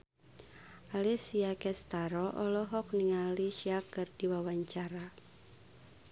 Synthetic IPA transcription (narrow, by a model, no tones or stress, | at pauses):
ʔalɛsiakɛst̪aɾɔʔɔlɔɦɔk̚niŋaliʃiakɨrd̥iwawaɲt͡ʃaɾa